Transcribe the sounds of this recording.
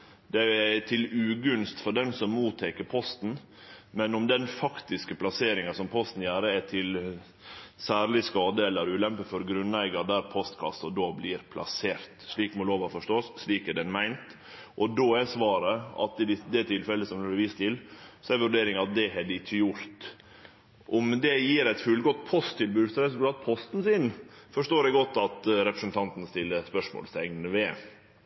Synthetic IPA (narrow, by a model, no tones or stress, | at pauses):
d̪ɛɛt̪ʰɪlʉːɡʉnst̪fɔɖɛnsɔmːuːt̪ʰɛkəɾpʰɔst̪n̩ | mɛnɔmd̪ɛnfɑkt̪ɪskəpʰlɑseːɾɪŋɑsɔmpʰɔst̪n̩jæːɾəɛt̪ʰɪl | sæːɾlɪskɑːd̪əɛlːəɾʉːlɛmpəfɔɾɡɾʉnːæɪɡɑd̪æːɾpʰɔst̪kʰɑ̰sɔd̪oːblɪːɾpʰlʔɑ̰seːɾt̪ʂɭiːkmɔloːʋɑfɔʂt̪ɔsːɭiːkɛɖɛnmæɪnt̪ | ʔɔd̪oːɛsʋɑːɾəɑ̰t̪ɪd̪ɪsd̪ɛt̪ʰɪlfɛlːəsɔmhʉːləʋiːst̪ʰɪlsɔɛʋʉɖeːɾɪŋɑt̪̚d̪ɛhɛd̪ɪt͡ʃːəjʊɾt̪ | ʔɔmd̪ɛjiːɾæɪt̪fʉlɡɔt̪ːpʰɔst̪ʰːɪlbʉːsɔɾɛsʉlk̪ɑːt̪̚pʰɔst̪n̩sɪnfɔʂʈ̪oːɾɛɡɔt̪ːɑt̪ɾɛpɾəsənt̪ʰɑnt̪n̩st̪ɪlːəspœʂmo̰ːlst̪ɛŋnəʋeː